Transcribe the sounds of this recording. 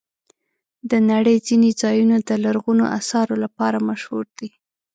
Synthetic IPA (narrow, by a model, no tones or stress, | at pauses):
d̪ənaɽəjd͡zined͡zɑjunod̪əlaɾɣuno̰ʔa̰sɑɾolapɑɾamaʃhuɾd̪i